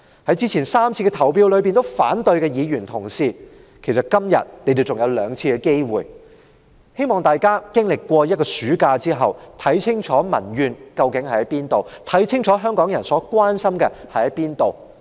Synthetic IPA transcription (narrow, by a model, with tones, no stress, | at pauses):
hɐ˨˥jt͡siː˥t͡sʰiː˨˩nsaː˥mt͡sʰiː˧kɛ˧t̪ʰɐ˨˩wpiː˧wlɵ˨˧ɥpi˨nt̪o˥wfa̰ː˨˥nt̪ɵ˧ɥkɛ˧jiː˨˧jyː˨˩nt̪ʰʊ˨˩ŋsiː˧ | kʰe˨˩jsɐ˨t̚kɐ˥mjɐ̰˨t̚ne˨˧jt̪e˨˩wt͡sʊ˨ŋjɐ˨˧wlœː˨˧ŋt͡sʰiː˧kɛ˧ke˥jwṵː˨˩j | he˥jmɔː˨˩ŋt̪aː˨jkaː˥kɪ˥ŋlɪ˨kːʷɔː˧jɐ˥t̚kɔː˧syː˨˥kaː˧t͡siː˥ɦɐ˨wt̪ʰɐ˨˥jt͡sʰɪ˥ŋt͡ʃʰɔː˨˥mɐ̰˨˩njyː˨˧nkɐ˧wkɪ˨˥ŋhɐ˨˩jɐ˨˦jpiː˥nt̪o˨wt̪ʰɐ˨˥jt͡sʰɪ˥ŋt͡ʃʰɔː˨˥ɦœː˥ŋkɔː˨˥ŋjɐ˨˩nsɔː˨˥kʷwaː˥nsɐ˥mkɛ˧hɐ˨˥jɐ˦piː˥nt̪o˨w